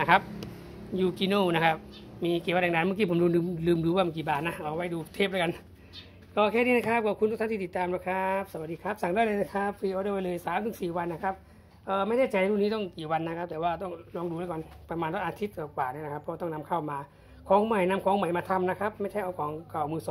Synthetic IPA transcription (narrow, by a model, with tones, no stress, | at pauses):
a˧˩kʰa˦˧˥p̚ | juː˧˩kiː˧noː˧˩na˦˧˩kʰa˦˧˥p̚miː˧kiː˨˩wa˧nda˧˨daː˧˨nmɯ˧˥˨k̬iː˧pʰo˨˦mduː˧˦lɯː˧mlɯː˧mduː˧waː˧˩ma˧˩kiː˨˩baː˨˩t̪̚na˧ʔaː˨˩˨wa˧˩jduː˧t̪ʰeː˦˧˩p̚lːjka˧n | kɔː˧˩kʰɛː˧˩niː˧˥˨na˧kʰa˦˥˩p̚kɔː˧˩kʰu˧ntu˧˥t̪ʰa˧˥˨t̪iː˧˨t̪t̪ːaː˧mna˧˥˩kʰa˦˥p̚sa˧wa˨˩diː˧kʰa˦˥p̚sa˨˩ŋdaː˧˩jləː˧na˧˩kʰa˦˥p̚ʰfiː˧ʔoː˧˦dɤː˧˩wa˧jlɤː˧jsaː˨˦mt̪ɯ˩˦siː˨˩wa˧nːa˧˩kʰa˦˥p̚ | ʔəː˧ma˥˩jda˧˥˩jt͡ɕa˧˨˧ɾuː˧˩˨niː˦˥t̪ɔ˥˩ŋkiː˨˩wa˧nːa˧˦˥kʰa˦˥p̚t̪ɛː˨˩waː˧˩t̪ɔ˥˩ŋlɔː˧˥ŋduː˧laː˧˩kɔː˧npa˧maː˧ntʰɔ˧˥˩ʔaː˧t̪ʰi˦˥t̪̚kɔː˨˩kwaː˨˩naː˧˥˩n˧kʰa˦˥pʰːɔː˧˩t̪ɔ˥˩ŋna˧mkʰa˥˩wmaː˧ | kʰɔː˨˦ŋma˨˩jna˧˥mkʰɔː˨˦ŋma˨˩jmaː˧t̪ʰa˧mna˦˧˥kʰa˦˥p̚ma˥˩jt͡ɕʰa˥˩jʔa˧wkʰɔː˨˦ŋka˨˩wmɯː˧sɔ˨˦